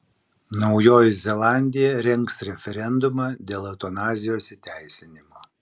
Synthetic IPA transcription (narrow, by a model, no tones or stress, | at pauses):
nɒʊjoːjɪzʲɛlˠɑˑnʲd̪ʲɪjɛɾʲɛŋksɾʲɛfʲɛɾʲɛnd̪ʊmɑːd̪ʲeːlˠɐʊt̪ɔnɑːzʲɪjoːsʲɪt̪ʲæˑɪsʲɪnʲɪmoː